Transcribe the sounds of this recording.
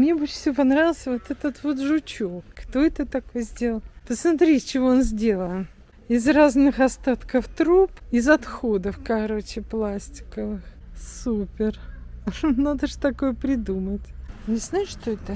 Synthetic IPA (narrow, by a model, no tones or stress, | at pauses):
mnʲebɨt͡ɕfʲsʲopɐnɾavʲɪlˠsʲvot̪ɛt̪ət̪vo̞t̪ʐʊt͡ɕokːt̪o̞ɛt̪ət̪ɐkojzʲdʲe̞lˠəlˠt̪əsmat̪ɾʲit͡ɕɪvoonzʲdʲe̞lˠəlˠ | ɪzraznɨxɐst̪at̪kəft̪ɾupɪzɐt̪xod̪əfkɐɾo̞t͡ɕɪplˠasʲtʲɪ̥kəvɨx | supʲɪr | nad̪əʐɨt̪ɐko̞jəpɾʲɪd̪umətʲnʲɪznajɪʂʂt̪oɛt̪ə